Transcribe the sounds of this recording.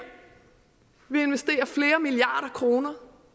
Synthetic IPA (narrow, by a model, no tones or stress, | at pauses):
ʋie̝nʋesd̥e̝̰ːɐfle̝ːɐmiliɑ̈ːɾ̥ɐkʰʁo̝ːnɐ